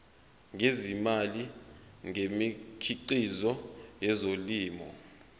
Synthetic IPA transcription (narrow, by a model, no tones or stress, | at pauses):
ŋʱezimaliŋemikʰiǃizɔjɛzoliːmɔ